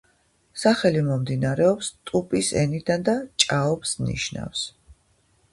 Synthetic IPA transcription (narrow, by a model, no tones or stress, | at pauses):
saχɛlimɔmd̪inaɾɛɔpst̪ʼupʼisɛnid̪and̪at͡ʃʼaɔpsnḭʃna̰fs